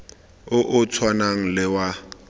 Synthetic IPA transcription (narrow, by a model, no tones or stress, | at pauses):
ʊʔʊt͡sʰwanaŋ̩lɪwa